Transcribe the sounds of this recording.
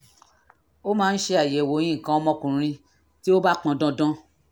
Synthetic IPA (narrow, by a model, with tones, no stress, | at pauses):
o˦mãː˨˦˧n̩˦ʃe˧a˨je˨wo˨˦j̃ĩ˦˨kã˨˦ɔ˧˦mɔ̃˦kũ˨ɾ̃ĩ˧ | ti˦o˦ba˦k͡pã˧dɔ̃˦dɔ̃˦